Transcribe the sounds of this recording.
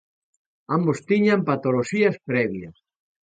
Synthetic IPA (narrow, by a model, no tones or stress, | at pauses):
ambost̪iɲampat̪oloʃiɐspɾɛβjɐ̰s